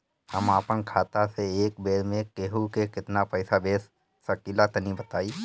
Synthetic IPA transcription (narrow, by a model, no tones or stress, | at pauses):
hɐmaːpənkʰaːt̪aseeːk̚beːɾmẽkeːɦukekɪt̪napɛɪsabeːs | sɐkiːlat̪ɐnibɐt̪aːiː